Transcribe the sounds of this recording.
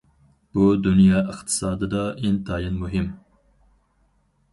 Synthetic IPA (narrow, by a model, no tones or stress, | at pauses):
b̥uːd̪unjɑːʔɨqt̪ʰɨ̥sɑːd̪ɨd̪ɑːʔint̪ɑːjinmuɦim